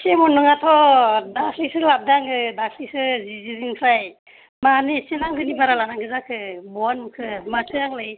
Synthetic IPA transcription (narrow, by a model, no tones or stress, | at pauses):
sʰemɔnɯŋatʰɔdakʰlisɯlab̚daŋɡɯdakʰlisɯziziziŋpʰɾaj | manisinaŋlɯnibaɾalanaŋɡɯzakʰɯbɔanmukʰɯmasʰɯjaŋlɯj